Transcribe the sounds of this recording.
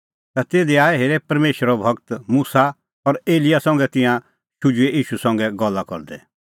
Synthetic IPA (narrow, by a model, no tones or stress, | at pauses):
t̪at̪eːd̪iaːɛɦeːɾɛpɐɾmeːʃɾɔbʱɐkt̪muːsa | ɔɾeːlɪjasɐ̃ŋɡɛt̪ɪ̃jã | ʃʊd͡ʒueʔiːʃusɐ̃ŋɡɛɡɔlːakɔ̰ɾd̪ɛ